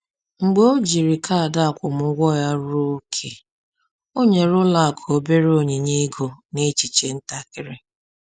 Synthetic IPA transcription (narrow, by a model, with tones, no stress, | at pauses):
ŋ͡m̩˨ɡ͡bo˦d͡ʒi˨ɾi˨kʰa˦a˨da˦˨kʷʊ˨mʊ˦ɡʷɔ˦˨ja˦ɾo˦kʰe˨ | o˦ɲe˨ɾʊ˦la˨kʰo˨be˦ɾo˨ɲe˨ɲe˦ɡo˨ne˦t͡ʃi˨t͡ʃe˨n̩˦ta˦kɪ˦ɾɪ˦